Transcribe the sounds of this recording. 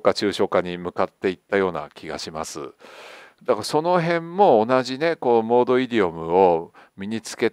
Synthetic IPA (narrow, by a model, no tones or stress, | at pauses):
kat͡ɕɨːɕo̞kaɲ̟imɯ̟kat̪ːe̞it̪ːajo̞ːna̰kʲʰiɡa̰ɕimasɨ̰ | d̪akaaso̞no̞ɦẽ̞mːo̞ːnaʑine̞ko̞mo̞ːd̪o̞iɾʲio̞mɯ̟o̞ | mʲiɲ̟it͡sɨ̥ke̞t